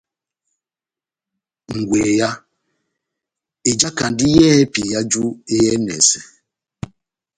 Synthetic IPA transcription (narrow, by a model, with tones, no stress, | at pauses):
ŋ̩˨ɡʷe˨ja˦ | e˨d͡ʒa˦ka˨n̩˨dɪ˦jɛ˦ɛ˦pi˨ja˦d͡ʒu˦e˦jɛ˦nɛ̰˨se˨